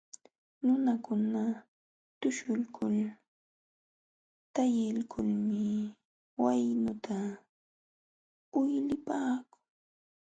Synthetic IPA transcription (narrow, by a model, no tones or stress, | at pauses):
nʊnakʊna | t̪ʊʃʊlkʰʊl | t̪ajɪlkʰʊlmɪ | wajnʊt̪ʰa | ʊjlɪpaːkʊ̥ŋ